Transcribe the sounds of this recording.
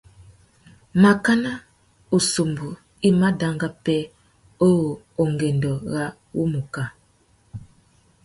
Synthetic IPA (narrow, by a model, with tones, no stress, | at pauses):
ma˨ka˦na˦ | o˨so˨mbu˨ | i˦ma˦da˦ŋɡa˦pɛ˦ | o˦ɣo˨ | o˨ŋɡe˨ndɔ˨ɣa˦ | wṵ˦mu˨ka˨